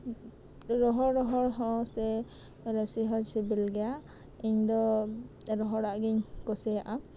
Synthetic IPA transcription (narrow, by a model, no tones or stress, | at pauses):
ɾɔɦɔɾɾɔɦɔɾɦɔ̃sɛ | ɾɛsiɦɔɲsibilɡɛja | iɲd̪ɔ | ɾɔɦɔɾaʔɡiɲkɔsɛjaʔa